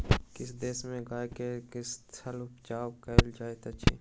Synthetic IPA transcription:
kɪsd̪eːsmẽɡaːjkekɪstʰəlʊpt͡ʃaːwkəld͡ʒaːet̪ət͡ʃʰḭ

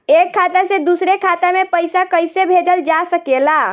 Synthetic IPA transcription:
ekʰːat̪ased̪usɾekʰat̪amepəjsakəjsebʱed͡ʒəld͡ʒasəkela

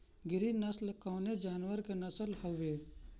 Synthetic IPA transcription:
ɡɪɾinɐslkaːned͡ʒaːnʋəɾkenɐsəlhəʋe

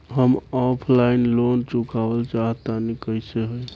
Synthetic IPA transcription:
ɦəmɔpʰlainlont͡ʃukabəlt͡ʃaɦət̪anikəjseɦəj

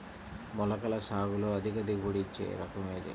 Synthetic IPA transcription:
mɔlɐkɐlɐsaːɡuloːɐd̪ʱikɐd̪iɡuɽit͡ʃːḛːɾɐkɐmeːd̪ḭ

